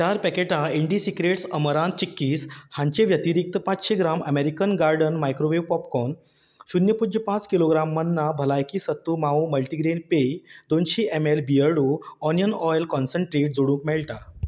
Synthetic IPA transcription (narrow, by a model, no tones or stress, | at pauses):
t͡ɕaɾpɛkeʈãeɳɖisikɾeʈsəməɾãn̚t͡ɕikːiːshãɲt͡ɕẽʋjət̪iɾik̚t̪əpãt͡sɕeɡɾaməmeɾikənɡaɾɖənmajkɾoʋeʋpɔpkɔn | ɕunjəpud͡ʑjəpãt͡skiloɡɾamːənːabʱəlajkisət̪ːumaũməlʈiɡɾenpejd̪onɕiʔemelbiəɽuɔnjənɔjlkɔnsəɳʈɾeʈ̚d͡zoɽũːŋkmɛɭʈ̪a